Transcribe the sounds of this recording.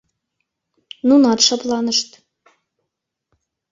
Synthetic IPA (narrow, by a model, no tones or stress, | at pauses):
nunɑt̪ʃɑplˠɑnɤ̆ʃt̪